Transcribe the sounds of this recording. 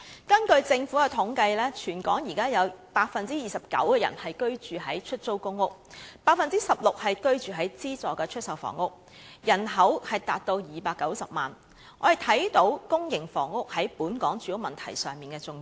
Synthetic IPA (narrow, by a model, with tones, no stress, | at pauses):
kɐ˥nkɵ˧ɥt͡sɪ˧ŋfuː˨˥kɛ˧t̪ʰʊ˨˥ŋkɐ˧jlɛː˥t͡ʃʰyː˨˩nkɔː˨˥ŋjiː˨˩kaː˥jɐ˨˧wpaː˧k̚fɐ˨nt͡siː˥jiː˨sɐ˨p̚kɐ̰˨˥wkɛː˧jɐ̰˨˩nhɐ˨jkɵ˥ɥt͡ʃyː˨ɦɐ˨˥jt͡ʃʰɵ˥t̚t͡so˥wkʊ˥ŋːʊ˥k̚paː˧k̚fɐ˨nt͡siː˥sɐ˨p̚lʊ˨k̚hɐ˨jkɵ˥ɥt͡ʃyː˨ɦɐ˨˥jt͡siː˥t͡sɔː˨˩kɛː˧t͡ʃʰɵ˥t̚sɐ˨˩wfɔ̰ː˨˩ŋʊ˥k̚ | jɐ˨˩nɦɐ˨˥whɐ˨jt̪aː˨t̚t̪o˧wjiː˨˩paː˧kːɐ˨˥wsɐ˨p̚maː˨n | ŋɔː˨˧je˨˩t̪ʰɐ˨˥jt̪o˨˥wkʊ˥ŋjɪ˨˩ŋfɔ̰ː˨˩ŋːʊ˥k̚hɐ˨˥jpuː˨˥nkɔː˨˥ŋt͡ʃyː˨˥jʊ˥mɐ˨nt̪ʰɐ˨˩jsœː˨ŋmiː˨˩nkɛː˧t͡sʊ˧ŋ